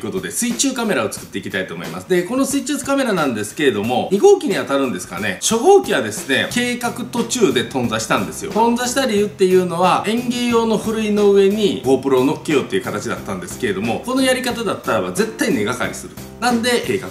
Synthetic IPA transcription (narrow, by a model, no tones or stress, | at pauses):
ko̞t̪o̞d̪e̞sɨit͡ɕɨːkame̞ɾao̞t͡sɨ̥kɯ̟̥t̪ːe̞ikʲi̥t̪ait̪o̞ːmo̞ḭma̰sɨd̪e̞ko̞no̞sɨit͡ɕɨsɨ̥kame̞ɾanãnd̪e̞sɨ̥ke̞ɾe̞d̪o̞mo̞ɲ̟iɡo̞ːkʲiɲ̟iat̪aɾɯ̟̃nd̪e̞sɨ̥ka̰ne̞ɕo̞ɡo̞ːkʲiβad̪e̞sɨne̞ke̞ːkakɯ̟t̪o̞t͡ɕɨːd̪e̞t̪õ̞nzaɕi̥t̪ãnd̪e̞sɨjo̞̰t̪õ̞nzaɕi̥t̪aɾʲiɯ̟t̪ːe̞jɯ̟ːno̞βaẽ̞ŋɡʲejo̞ːno̞ɸɯ̟ɾɯ̟ino̞ɯ̟e̞ɲ̟iɡo̞ːpɯ̟ɾo̞ːno̞kːeoːt̪ːeiɯ̟kat̪at͡ɕid̪a̰t̪ːãnd̪e̞sɨ̥ke̞ɾe̞d̪o̞mo̞ko̞no̞jaɾʲikat̪ad̪at̪ːaɾaβaze̞t̪ːaine̞ɡaka̰ɾʲḭsɨɾɯ̟ | nãnd̪e̞keːka̰k